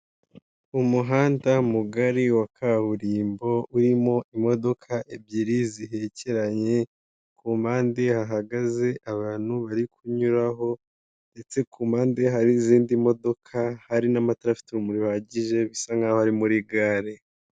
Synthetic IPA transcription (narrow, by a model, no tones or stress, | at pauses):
umuɦaːndamuɡaɾiwakʰaβuɾiːmbo̞ʔuɾimo̞imo̞do̞kʰaʔebɟiɾiziɦe̞ce̞ɾaɲe̞ | kumaːndehaɦaɡaze̞ʔaβaːn̥huβaɾikʰuɲuɾaɦo̞ | nde̞t͡se̞kuːmaːnde̞ɦaɾiziːndimo̞do̞kʰahaɾinamataɾafi̥tiɾumuɾiaɟiʒe̞βisaŋɡahohaɾimuɾiɡaːɾe